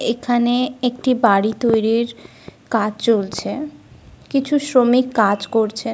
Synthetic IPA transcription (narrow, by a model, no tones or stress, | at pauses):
ekʰaneek̚ʈibaɽit̪ojɾiɾ | kad͡ʑt͡ɕolt͡ɕʰe | kit͡ɕʰusɾomikːad͡ʑkoɾt͡ɕʰe